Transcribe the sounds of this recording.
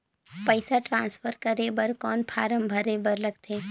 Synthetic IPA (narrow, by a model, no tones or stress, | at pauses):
pəɪsaʈɾãːnspʰəɾkɐɾebəɾkɔːnpʰaːɾəmbʱɐɾebɐɾlɐɡt̪eː